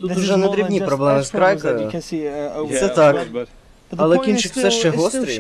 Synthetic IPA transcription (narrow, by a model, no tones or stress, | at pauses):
t̪ut̪ʊʒɛnɛd̪ɾʲibnʲipɾɔblˠɛmɪskɾɑjkɐjʊ | t̪sɛt̪ɑk | ɐlˠɛkʲint͡ʃɪkw̥sɛʃt͡ʃɛɦɔst̪ɾʲi